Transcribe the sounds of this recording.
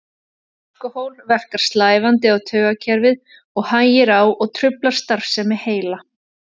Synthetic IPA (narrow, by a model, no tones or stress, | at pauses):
ɪkɔhowlvɛr̥kaɾ̥st̪laːjvant̪ɪawt̪ʰœːɣacʰɛɾvɪð | ɔɣhanjɪɾawɔɣt̪ʰɾʏplaɾ̥st̪aɾ̥fsɛmːɛheːjla